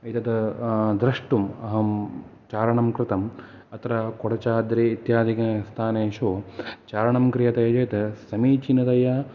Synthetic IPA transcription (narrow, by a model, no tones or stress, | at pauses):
ɐit̪ɐt̪ɐd̪ɾɐʂʈumɐ̰ɦɐmt͡ʃaːɾɐɳɐmkɾɪt̪ɐm | ɐt̪ɾakoɽɐt͡ʃaːd̪ɾeːit̪jaːd̪ʱikɐst̪ʰaːneːʃoːt͡ʃaːɾɐɳɐmkɾijɐt̪ɐjɐd͡ʒɐjt̪ɐsɐmiːt͡ʃinɐt̪ɐjɐ